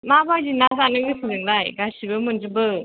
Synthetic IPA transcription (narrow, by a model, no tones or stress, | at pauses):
mabajzinazanɯŋdɯsʰɯnɯŋlajɡasibɯmɯnzɯbɯ